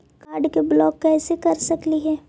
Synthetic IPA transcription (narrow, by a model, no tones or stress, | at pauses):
kaːɾɖkeblɔːkːɛːsekɐɾsɐkliɦɛː